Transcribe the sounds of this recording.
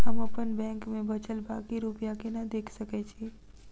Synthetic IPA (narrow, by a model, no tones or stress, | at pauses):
ɦəməpənbɛ̃ːŋkmẽbət͡ʃəlba̰kiɾupjakenad̪eːkʰsəket͡ʃʰe